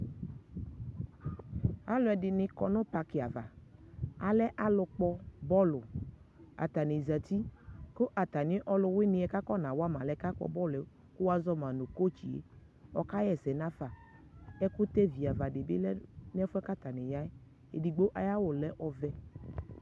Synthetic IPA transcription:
a˨˦lʊ˨˦ɛ˨dɪ˨nɪ̃˨kɔ˨nʊ̃˦pa˨kɪ˨a˨va̰˨ | a˨lɛ˦ʔa˦lʊ˧k͡pɔ˦bɔ˦lʊ˨ | a̰˨t̪a˨ne˨za˨t̪i˦kʊ˦ʔa˨t̪a˨nɪ̃˦ʔɔ˨lʊ˧wɪ˦nɪ̃˧ɛ˨ka˦kɔ˦nã˨wa˦mã˨lɛ˨˦ka˦k͡pɔ̰˨bɔ˦lɛ˨ | kʊ˦wa˦zɔ˦mã˨no˨ko˦t͡ʃi˨ḛ˨ | ɔ˦ka˦jɛ˨sɛ˨nã˦fa˨ | ɛ˦kʊ˦t̪ɛ˦vi˨a˨va˨dɪ˨bɪ̰˦lɛ˦n˦ɛ˦fʊ˦ɛ˦ka˦t̪a˨nɛ˨ja˦ɛ˦ | ḛ˨di˨ɡ͡bo˦ʔa˨ja˦wʊ˨lɛ˦ʔɔ˨vɛ˦

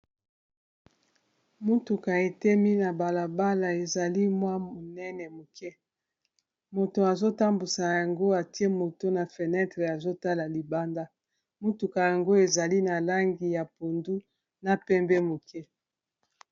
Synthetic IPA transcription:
mu˦tu˨ka˨e˨tɛ˦mi˦na˨ba˨la˨ba˦la˨e˨za˨li˦mwa˦o˨nɛ˦nɛ˨mo˨kʰɛ˦ | mo˨to˨a˨zo˦ta˦mbu˨sa˨ja˨ŋɡo˦a˨ti˦e˦mo˨to˦na˨fe˨nɛ˦tʁe˨a˨zo˦ta˦la˨li˨ba˦nda˦ | mu˦tu˨ka˨ja˨ŋɡo˦e˨za˨li˦na˨la˦ŋɡi˨ja˨po˨ndu˦ | na˨pɛ˦mbɛ˦mo˨kɛ˦

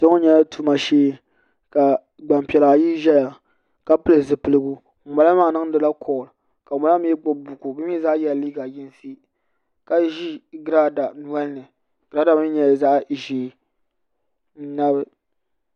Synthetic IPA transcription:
tɨ˦ŋo˦ɲɛ˦la˦tu˦ma˨ʃeː˦ | ka˨ | ɡ͡ba˨mpɛ˨la˨ji˦ʒɛ˦ja˨ | ka˦pɨ˦lɨ˨zɨ˨pɨ˨lɨ˦ɡu˦˨ | ma˨la˦maː˦˨nɨ˦ŋ˦dɨ˨la˦kʰɔ˨l | ka˨ma˨la˦m˦jɛ˦ɡ͡bʊ˦bʊ˨ku˨bɨ˦m˦i˦za˦ʔjɛ˨liː˦ɡa˨jɪ˦n˦si˦ | ka˨˦ʒi˦ɡɾa˦da˨nu˨ɛ˦lnɨ˨ | ɡ̥ɾa˦da˨m˦ɲɛ˨za˦ʔʒeː˨˦ | n̩˦na˦bɨ˦

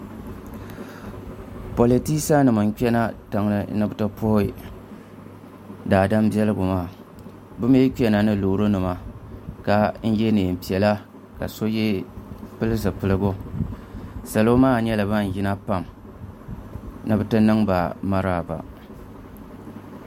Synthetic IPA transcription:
po˨li˨ti˦sa˦nɨ˨mɨ˨ŋ˦k͡pɛ˦na˦ta˨ŋlɨ˦nɨ˦bɨ˦tɨ˦pʰo˦ɪ˦ | daː˨da˦mbi˦ɛ˦lɨ˦ɡʊ˨maː˦˨ | bʊ˦me˦k͡pɛ˦na˨nɨ˦lo˨˦ɾo˦nɨ˨ma˦ka˦n̩˦jɛ˦neː˨m̩˨pi˨ɛ˨la˦ | ka̰˨so˦jɛ˦pɨ˦lɨ˦s̬ɨ˨pɨ˨lɨ˦bʊ˦ | sa˨lo˦maː˦ɲɛ˦la˨ba˦n˨jɪ˦na˦pa˦˨m | nɨ˦bɨ˦tɨ˦nɨ˦ŋba˨ma˦ɾaː˦˨ba̰˨

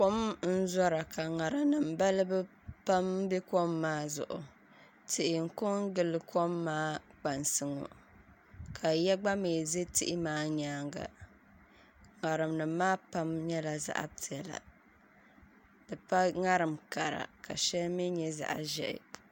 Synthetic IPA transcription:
ko˦mn̩˦zɔ˦ɾa˨ka˨ŋa˨ɾɨ˨mnɨ˨mba˦lɨ˦bɨ˦ | pa˦mbɛ˦ko˦mːaː˦zʊ̰˨ʔʊ˨ | tʰɪ˨ʔɪ˨ŋ̩˨kʊ˦ŋɡɨ˦lɨ˨ko˦mːaː˦k͡pa˨nsɨ˦ŋɔ̰˨ | kʰa˨jɛ˦ɡ͡ba˦meː˨ze˦tɪ˦ʔɪ˦maː˦ɲaː˦ŋɡa̰˨ | ŋa˨ɾɨ˨mnɨ˨mː˦aː˦pa˦mɲɛ˦la˨za̰˦ʔa̰˦ti˨ɛ˨la̰˨ | dɨ˨pa˦ŋa˦ɾɨ˨mka˨ɾa̰˨ka̰˨ʃɛ˦lmi˦ɲɛ˦za̰˨ʔa̰˨ʒɛ̰˦ʔɪ̰˨

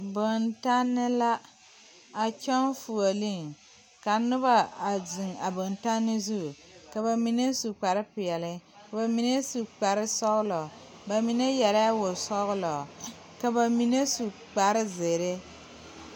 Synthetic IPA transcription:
bo˨nta˦nːɪ˦la˦ | a˨t͡ʃɔ˦nfu˨o˨li˦ŋ | ka˨nʊ˦ba˦˨a˨zɪ˨ŋa˨bo˨nta˦nːɪ˦zu˦˨ | ka˨ba˨mi˨ne˦su˨k͡pa˨ɾɪ˦pɪ˨ɛ˨lɪ˦ka˨ba˨mi˨ne˦su˨k͡pa˨ɾɪ˦sɔ˦ɣʊ˦lɔ˨ | ba˨mi˨ne˦jɛ˨la˦wo˨sɔ˦ɣʊ˦lɔ˨ | ka˨ba˨mi˨ne˦su˨k͡pa˨ɾɪ˦ze˨ɾɪ˦

